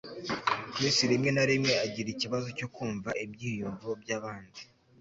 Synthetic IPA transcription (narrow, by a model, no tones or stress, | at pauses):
kɾesiɾimŋe̞naɾimŋe̞aɟiɾiciβazo̞co̞kuːɱvaʔibjiːjuːɱvuobjaːβaːndi